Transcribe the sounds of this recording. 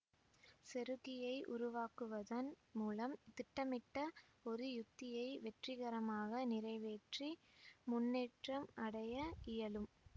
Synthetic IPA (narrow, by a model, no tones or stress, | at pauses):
sɛɾɯɣɪjɐɪʔʊɾʊʋaːkɯʋɐðɐn | muːlɐmt̪ɪʈːɐmɪʈːɐɔɾɯjʊt̪ːɪjɐɪʋɛʈrɪɣɐɾɐmaːɣɐnɪrɐɪʋeːʈri | mʊnːeːʈrɐmʔɐɽɐjɐɪjɐlɯm